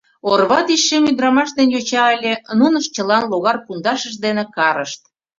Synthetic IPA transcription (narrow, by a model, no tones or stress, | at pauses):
orβɑt̪iʃːemyd̪ɾɑmɑʃd̪enjot͡ɕɑelʲĕnunəʃt͡ɕəlɑnloɣɑrkund̪ɑʃəʃd̪enekɑɾəʃt̪̚